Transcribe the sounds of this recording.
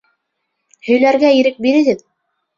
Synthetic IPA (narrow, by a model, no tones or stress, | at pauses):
hɵ̆jlæɾɡæiɾɘk̚biɾɘ̆ɡɘð